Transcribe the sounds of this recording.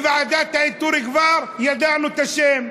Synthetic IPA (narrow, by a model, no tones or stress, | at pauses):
vaʕad̪aːt̪ːaʕiːd̪̚t̪ːuːɾiɡvaːɾˤjad̪aːʕnut̪aʃeːm